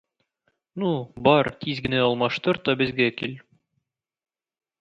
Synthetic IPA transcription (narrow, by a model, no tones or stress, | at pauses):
nubɒɾt̪izɡɘ̆næɒlˠmɑʃt̪ɤɾt̪ɒbɘ̆zɡækil